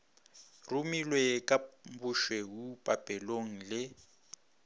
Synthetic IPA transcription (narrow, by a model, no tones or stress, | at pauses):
rumilwekʼam̩buʃwewupʼapʼɛloŋ̩lɪ